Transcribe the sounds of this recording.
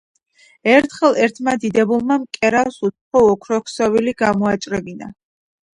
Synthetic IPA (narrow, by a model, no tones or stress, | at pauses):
ɛɾt̪ʰχɛlˠɛɾt̪ʰmad̪id̪ɛbulˠmamkʼɛɾafsut̪sχɔɔkʰɾɔkʰsɔviliɡamɔat͡ʃʼɾɛbina̰